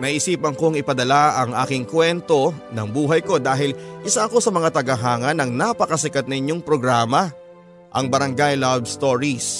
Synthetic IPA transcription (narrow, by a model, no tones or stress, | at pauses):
nɐʔʔɪsiːpɐŋkoŋɪpɐd̪ɐlaɐŋʔa̰ːkɪŋkwɛnt̪o̞nɐŋbuːɦɐjko̞d̪aːɦɪlʔɪsaɐko̞sɐmɐŋat̪ɐɡɐɦaːŋɐnɐŋnapɐkɐsɪkat̪̚nɐɪɲːo̞ŋpɾo̞ɡɾaːmɐ | ʔɐŋbɐɾɐŋɡajlabst̪oɹis